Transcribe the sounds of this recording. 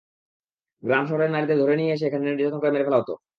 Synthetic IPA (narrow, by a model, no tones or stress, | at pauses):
ɡɾamʃɔɦoɾeɾnaɾid̪eɾd̪ʱoɾenijeeʃ̬eekʰaneniɖid͡ʑɔk̪ʰonkoɾemeɾefɛlaɦot̪o̰